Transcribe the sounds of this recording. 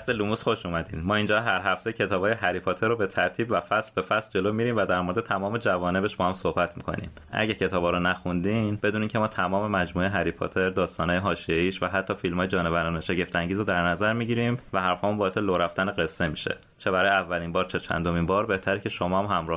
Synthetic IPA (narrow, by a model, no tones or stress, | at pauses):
selumuːsxo̞ʃuːmæd̪iːnmɒːiːnd͡ʒɒɦæɾɦæft̪e̞cʰe̞t̪ʰɒːbɒːjeɦæɾipʰot̪ʰe̞ɾobe̞t̪ʰæɾt̪ʰiːbvæfæslbe̞fæsld͡ʒe̞loːmiɾiːmvæd̪æɾmoɾe̞d̪et̪ʰæmɒːme̞d͡ʒævɒːne̞be̞ʃb̥ɒːhæmsohbæt̪ʰmḭkʰo̞̰nḭːm | ʔæ̰ɟæcʰe̞t̪ʰɒːbɒːɾonæxund̪iːnbe̞d̪uːneiŋcʰemɒːt̪ʰæmɒːme̞mæd͡ʒmuːeeɦæɾipʰo̰t̪ʰe̞ɾd̪ɒːst̪ɒːnɒːjeɦɒːʃijeiːʃvæɦæt̪ʰːɒːfilmhɒːjed͡ʒɒːne̞væɾɒːneʃe̞ɟe̞ft̪æŋɟiːzod̪æɾnæzæɾmiːɟiɾiːmvæɦæɾfɒːmunbɒːese̞loːɾæft̪æneɣe̞sːe̞miʃe̞̰ | t͡ʃʰe̞bæɾɒːjævːæliːnbɒːɾt͡ʃʰe̞t͡ʃʰæ̰nd̪ominbɒːɾbe̞ht̪ʰæɾecʰe̞ʃomɒːmhæmɾɒːh